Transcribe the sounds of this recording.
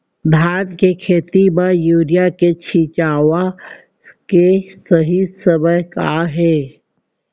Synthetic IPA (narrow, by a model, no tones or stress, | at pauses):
d̪ʱaːʈ̪kekʰeːt̪ibəjuːɾijaket͡ʃʰiːt͡ʃaːʋa | kesəɦisəbəjkaɦɛː